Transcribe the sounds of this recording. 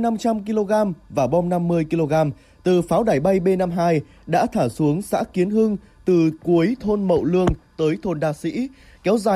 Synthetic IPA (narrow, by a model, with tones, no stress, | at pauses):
na˧mt͡ɕa˧mki˧lo˧ɣaː˧mvaː˨˩ɓɔ˧wŋ͡mna˧mːɨ˧əjki˧lo˧ɣaː˧m | t̪ɨ˨˩faː˨˦wɗaː˧˩jɓa˧jɓe˧na˧mɦaː˧j | ɗa̰ː˧˥t̪ʰaː˧˩su˨˦əŋsa̰ː˧˥ki˨˦ənɦɨ˧ŋ | t̪ɨ˨˩ku˨˦əjt̪ʰo˧nmə̰˧˨wlɨ˧əŋt̪əː˨˦jt̪ʰo˧˩nɗaː˧sḭ˧˥ | kɛ˨˦wzaː˨˩